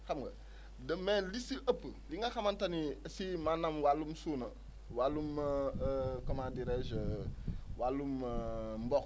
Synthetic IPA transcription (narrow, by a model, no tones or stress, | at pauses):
xamɡɐ̰ | dəmelisiʔəpːəliŋɡaxamantaniasimanamwalumsunɐ | walːum | komadiɾed͡ʒ | walːummbɔk